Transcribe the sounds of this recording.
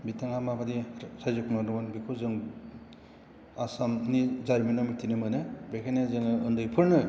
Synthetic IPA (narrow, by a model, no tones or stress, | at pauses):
bitaŋamabadisajzɯkʰmanɯbɯnbikʰuzɯŋ | asamnizaɾminɔmitʰinɯmɯnɯbekʰanazɯŋɯɯndɯjpʰɯɾnɯ